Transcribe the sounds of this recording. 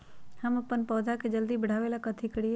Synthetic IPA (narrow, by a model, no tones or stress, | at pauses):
həməpːənpɔːd̪ʱaked͡ʒəld̪ibəɽ̤aːʋelakət̪ʰikəɽi